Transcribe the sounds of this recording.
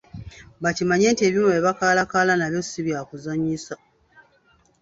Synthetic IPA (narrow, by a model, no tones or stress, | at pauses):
βacimaɲe̞ːntie̞ːβjinoβeβakaːlakaːlanaβjo̞siβjaːkuzaɲisa